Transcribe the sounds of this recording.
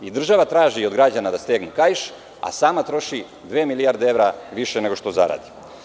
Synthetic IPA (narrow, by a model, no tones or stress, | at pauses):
id̪r̩ʒaʋat̪ɾaːʒiod̪ɡɾad͡ʑanad̪ast̪eːɡnukajʃ | a̰saːmat̪ɾo̞ʃi | d̪ʋeːmilijaɾd̪eeʋɾaʋiʃene̞ɡo̞ʃt̪o̞zaɾa̰ːd̪i̥